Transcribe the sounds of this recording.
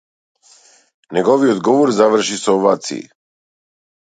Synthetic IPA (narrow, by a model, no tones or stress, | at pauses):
nɛɡɔviɔd̪ɡɔvɔɾzavr̩ʃisɔvat̪sḭḭ